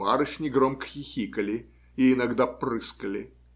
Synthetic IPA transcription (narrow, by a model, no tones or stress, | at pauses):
aɾɨʂnʲɪɡɾomkə̥xʲɪxʲikəlʲɪ | ɪɪnɐɡd̪aprɨskəlʲɪ